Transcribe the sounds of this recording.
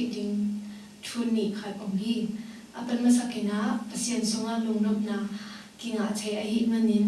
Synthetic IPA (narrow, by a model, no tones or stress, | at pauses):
ʔdiŋ | tʰunːiʔkʰat̚ʔɔŋhi | ʔapənməsakɛnaʔpasiənsɔŋaʔlɔŋnɔp̚na | kiŋaʔt͡sʰɛjʔaɦiʔmanin